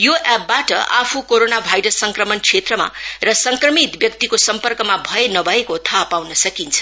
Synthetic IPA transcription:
joʔɛpːaʈʌ̰ʔapʰukoɾonabʱajɾʌsːʌŋkrʌmʌnkt͡sʰet̪rʌma̰rʌsʌŋkrʌmit̪bjʌkt̪ikosʌmpʌrkʌmabʱʌenʌbʱʌekot̪ʰʌpawnʌsʌkint͡sʰʌ̥

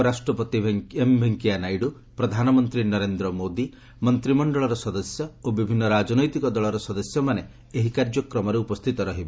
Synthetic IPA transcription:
ɾasʈɾɔpɔt̪ibʱeembʱeŋkianajɽu | pɾɔd̪ʱanɔmɔnt̪ɾinɔɾend̪ɾɔmod̪i | mɔnt̪ɾimɔɳɖɔɭɔɾɔsɔd̪ɔsjɔobibʱinːɔɾad͡ʒɔnɔjt̪ikɔd̪ɔɭɔɾɔsɔd̪ɔsjɔmane | eɦikaɾd͡ʒɔkɾɔmɔɾeupɔst̪ʰit̪ɔɾɔɦibe

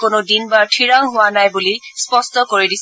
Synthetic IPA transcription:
konodinbaɹtʰiɹaŋɦʊwanajbulispɔstɔkoɹidis

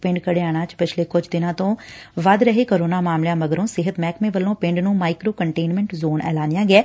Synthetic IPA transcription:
pɪ̃ɳɖkəɽeːaːɽ̃ãːt͡ʃpɪt͡ʃʰleːkʊd͡ʒd̪ɪnãːt̪õːʋəd̪ɾəɦeːkoːɾoːnaːmaːmljãːməɡəɾõːsɪɦət̪mɛːkmẽːʋəlːõːpɪ̃ɳɖnũːmaːɪkɾoːkəɳʈeːnmɛ̃ɳʈzoːnɛ̰ːlaːnɪjãːɡɛː

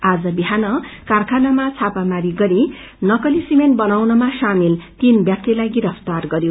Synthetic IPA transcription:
ad͡zʌbiɦanʌkarkʰanʌmat͡sʰapamaɾiɡʌɾi | nʌkʌlisimen̚bʌnawnʌmasamilt̪inbjak̚t̪elajɡiɾʌpʰt̪arɡʌɾjo

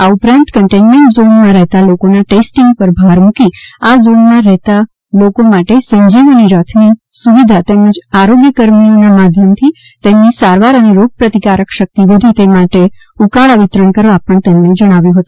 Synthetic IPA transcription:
aupɾãnt̪kəɳʈenmẽɳʈzonmãɾɛɦt̪alokonaʈesʈĩŋɡpəɾbʱaɾmukiazonmãɾɛɦt̪a | lokomaʈesə̃ɲd͡ʒiʋniɾət̪ʰnisuʋid̪ʱat̪eməd͡ʒaɾoɡjəkəɾmionamad̪ʱjəmt̪ʰi | t̪emnisaɾʋaɾəneɾoɡ̚pɾət̪ikaɾəkʃək̚t̪iʋəd̪ʱit̪emaʈe | ukaɭaʋɪt̪ɾəɳkəɾʋapəɳt̪emned͡ʒəɽ̃aʋjũɦət̪ũ

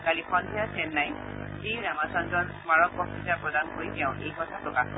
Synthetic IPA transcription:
kalikʰɔndʱijasʰɛnːaj | ziɹamasɔnzɔnsmaɹɔk̚pɔktitapɹɔdankojkɛʊ̃ʔejkɔtʰatɔka

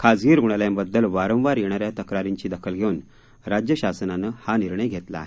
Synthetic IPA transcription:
kʰad͡zɡiːɾɡuɽ̃aljãmbəd̪ːəlʋaɾə̃wʋaɾjeɽ̃aɾjat̪əkɾaɾiɲt͡ɕiːd̪əkʰəlɡʱewun | ɾad͡ʑjəɕasənanəhaniɾɳ̃əjɡʱet̪la̰ːɦe

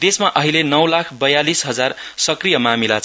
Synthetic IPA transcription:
d̪esmaʔʌɦilenʌwlakʰbʌjalisɦʌd͡zarsʌkrijʌmamilat͡s

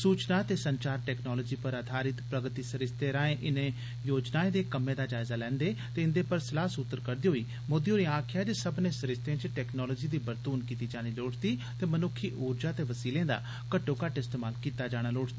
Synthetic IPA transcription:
suːt͡ʃnaːt̪eːsəɲt͡ʃaːɾʈɛːknɔːlɔːd͡ʒiːpəɾaːd̪ʰaːɾɪt̪pɾəɡt̪iːsəɾɪst̪eːɾãːẽːʔɪnẽː | joːd͡ʒnaːẽd̪eːkəmẽːd̪aːd͡ʒaːɪzaːlɛ̃ːnd̪eːt̪eːɪ̃nd̪eːpəɾsəlaːsut̪ːəɾkəɾd̪iːɦoːiː | moːd̪iõːɾĩãːkʰjaːd͡ʒesəbnẽːsəɾɪst̪ẽːt͡ʃʈɛːknɔːlɔːd͡ʒiːd̪iːbəɾt̪uːnkiːt̪iːd͡ʒaːɽ̃iːloːʈʰt̪iːt̪eːmənʊkʰːiːʔuːɾd͡ʒaːt̪eːʋəsiːlẽːd̪a̰ː | kəʈːoːkaʈɪst̪eːmaːlkiːt̪aːd͡ʒaːɽ̃aːloːʈt̪iː

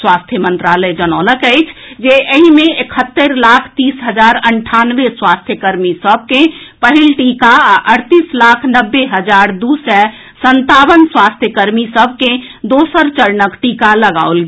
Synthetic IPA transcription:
swast̪ʰjəmə̃nt̪ɾaləjd͡ʒənələkəɪt͡ʃʰd͡ʒeʔəɦimẽekʰət̪ːəɾlakʰt̪isɦəd͡ʒaɾəɳʈʰanʋeswast̪ʰjəkəɾmisəb̚ʱkẽpəɦilʈikaaʔəɽt̪islakʰnəbːeɦəd͡ʒaɾd̪usɛ | sənt̪aʋənswast̪ʰjəkəɾmisəbʱkẽd̪osəɾt͡ʃəɾnəkʈikaləɡa̰olɡe

